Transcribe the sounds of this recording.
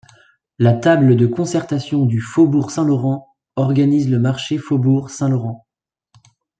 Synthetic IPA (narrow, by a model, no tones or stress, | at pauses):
lat̪abləd̪əkɔ̃sɛʁt̪asjɔ̃d̪yfobuʁsɛ̃lɔʁɑ̃ | ɔʁɡanizləmaʁʃefobuʁsɛ̃lɔʁɑ̃